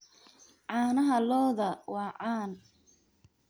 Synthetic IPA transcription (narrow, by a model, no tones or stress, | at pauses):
ʕɑːnɐɦɐlɔːðɐwɑːʕɑːn